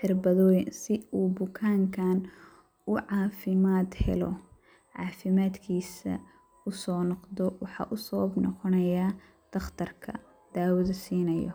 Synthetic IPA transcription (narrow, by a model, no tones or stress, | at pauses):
ħɪrbɐðɔːjɪnsɪuːbʊkʰaːŋkʰaːn | ʊʕɑːfɪmaːd̪hɛ̰lɔ̰ | ʕɑːfɪmaːd̪kʰiːsɐ̰ | ʊsɔːnɔqd̪ɔwɑħɑ̰ːʔʊsɐwɐbnɔ̰qɔnɐja | d̪̥ɐχt̪ʰɐrkʰɐ̰ | d̪̥aːwɐðɐsiːnɐjɔ̰